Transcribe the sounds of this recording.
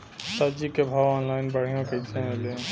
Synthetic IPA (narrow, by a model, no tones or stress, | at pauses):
sad͡ʒikebʱaːwɔːnlaːɪnbəɽ̤ijõket͡ʃʰaelẽ